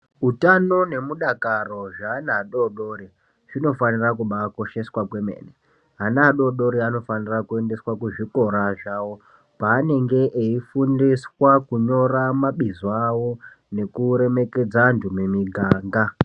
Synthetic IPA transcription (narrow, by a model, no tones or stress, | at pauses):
utano̞ne̞muɗakaro̞ʐaːnaɦːɗoɗo̞ːɾi | ʐ̥ino̞fanirakuɓako̞ʃe̞swakwe̞mḛːne | ɦanaɦaɗo̞ɗo̞ɾiano̞fanirakue̞nde̞swakuʐiko̞ɾaʐawo̞ | paːne̞ŋɡe̞ʔeifundiswakuɲo̞ramaɓizoawo | ne̞kuɾe̞me̞ke̞d͡zandumemiɡʱaːŋɡa